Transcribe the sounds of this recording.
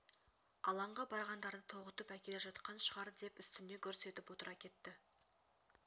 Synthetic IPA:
ɑlˠɑɴʁɑbɑɾʁɑnd̪ɑɾd̪ət̪ʰo̞ʁət̪əpækʲe̞leʒɑt̪qɑnʃəʁɑɾd̪e̞pʏst̪ɪne̞kʲʰɵɾse̞t̪ɪpwo̞t̪əɾɑkʲʰe̞t̪ːɪ

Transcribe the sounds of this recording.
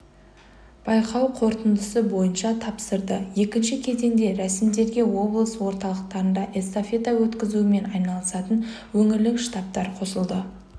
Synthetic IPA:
b̥ɑjqɑwqʰo̞ɾt̪ənd̪əsəbo̞jənʃɑt̪ʰɑpsəɾd̪əje̞kʲɪnʃɪkʲʰe̞ze̞nd̪e̞ɾæsɪmd̪e̞ɾɡʲe̞wo̞blˠəswo̞ɾt̪ɑlˠəq̚t̪ɑɾənd̪ɑʔe̞st̪ofe̞t̪awɵt̪kʲɪzuɪme̞nɑjnɑlˠəsɑt̪ən | wɵŋɪlɪkʃt̪ɑp̚t̪ɑɾqʰo̞səlˠd̪ə

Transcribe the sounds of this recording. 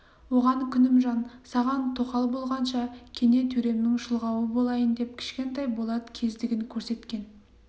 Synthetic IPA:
wo̞ʁɑŋkʲʰʏnɪmʒɑnsɑʁɑnt̪ʰoqɑlˠbo̞lˠʁɑnʃɑkʲʰe̞ne̞t̪ʰɵɾe̞mnɪŋʃəlˠʁɑwəbo̞lˠɑjənd̪e̞p̚kʲʰɪ̥ʃkʲe̞nt̪ɑjbo̞lˠɑd̪əkʲʰe̞zd̪ɪɡʲɪŋkʲʰɵɾse̞t̪kʲe̞n

